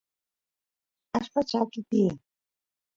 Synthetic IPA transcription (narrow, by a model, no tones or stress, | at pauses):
aʃpat͡ʃakɪt̪iː